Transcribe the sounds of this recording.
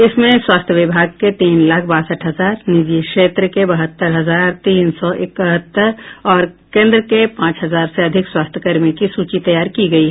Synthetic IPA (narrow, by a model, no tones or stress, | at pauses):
ɪsmẽswaːst̪ʰjəʋɪbʱaːɡ̚ket̪iːnlaːkʰbaːsəʈʰɦɐzaːɾnɪd͡ʒikʃeːt̪ɾəkebɐɦət̪ːəɾɦɐzaːɾt̪iːnsɔʔɪkəɦət̪ːəɾɔːɾkẽːnd̪ɾəkepãːt͡ʃɦɐzaːɾseɐd̪ʱɪkswaːst̪ʰəkəɾmikisuːt͡ʃit̪ɐjaːɾkiɡɐiɦɛ